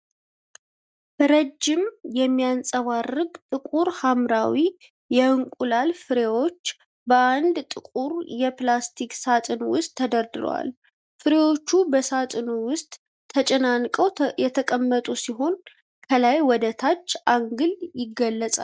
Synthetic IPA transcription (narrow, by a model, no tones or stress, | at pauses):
ɾəd͡ʒːɪmjɛmːijansʼəβarːɨɡt̪ʼɨkʼuɾhamɾawi | jɛɨŋkʼulalfɨɾewo̞t͡ʃː | bəand̪t̪ʼɨkʼuɾjɛplast̪ʰikʼsat̪ʼɨnwʊst̪ʰːəd̪əɾd̪ɨɾə̰wa̰l | fɨɾewo̞t͡ʃːubəsat̪ʼɨnuwʊst̪ʼʰː | ət͡ʃʼɛnankʼəwjɛt̪ʰəkʼəmːət̪ʼusiɦo̞n | kʰəlajwɔd̪ət̪ʰat͡ʃːʔaŋɡɨljɪɡːəlːəsʼa̰l